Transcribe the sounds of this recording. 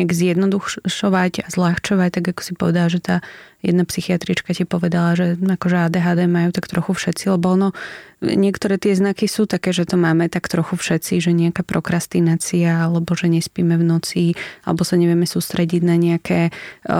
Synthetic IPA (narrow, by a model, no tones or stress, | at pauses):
ɲaɡzjɛd̪nɔd̪uxʃɔʋaɟazlaxt͡ʃɔʋact̪aɡakɔ̥sipɔʋɛd̪alaʒɛt̪aːjɛ̰d̪napsixiat̪ɾit͡ʃkacɪɛpɔʋɛd̪alaʒɛakɔʒɛaːd̪ɛːɦaːd̪ɛmajuːt̪akt̪ɾɔxufʃɛtt͡silɛbɔɔnɔɲɪɛkt̪ɔɾɛːt̪ɪɛznakisuːt̪akɛːʒɛt̪ɔmaːmɛt̪akt̪ɾɔxufʃɛtt͡siʒɛɲɛakaːpɾɔkɾast̪inaːt͡siaalɛbɔʒɛɲɛspiːmɛvnɔt͡sialɛbɔsaɲɛʋɪɛmɛsuːst̪ɾɛɟiɟnaɲɛakʰɛː